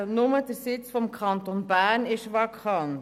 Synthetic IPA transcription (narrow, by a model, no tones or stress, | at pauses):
nʊməd̥əɾsɪt͡sfɔmkʰɑnt̪onbæːɾnɪʃʋɑkʰɑnt